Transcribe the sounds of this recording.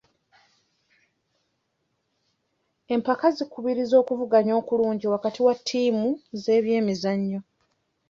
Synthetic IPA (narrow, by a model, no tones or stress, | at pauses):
e̞mpakazikːuβiɾizo̞ːkuvuɡaɲo̞ːkuluːɲɟiwakatiwatʰːiːmuze̞ːβje̞ːmizaɲːo